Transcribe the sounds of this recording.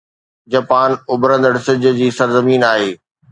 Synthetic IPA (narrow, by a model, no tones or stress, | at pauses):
d͡ʑɐpaːnʊbɾə̃nd̪əɽsɪd͡ʑʊ̆d͡ʑiːsɐɾzɐmiːnaːɦeː